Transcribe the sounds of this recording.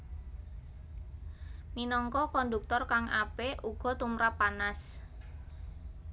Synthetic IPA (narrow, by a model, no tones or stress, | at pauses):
minɔŋkɔkɔnd̪uk̚t̪ɔrkaŋʔapeʔuɡ̥ɔ̤t̪umɾapːanas